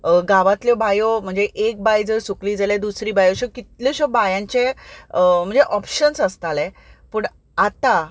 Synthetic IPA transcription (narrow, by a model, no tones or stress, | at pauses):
ɡaʋat̪ljɔbajom̤əɳd͡zeʔek̚bajd͡zəɾsukliːd͡zaled̪usɾiːbajoɕɔkit̪ljɔɕɔbajãɲt͡ɕe | m̤əɳd͡zeʔɔpɕənsəst̪alɛ̃ | puɳ | at̪a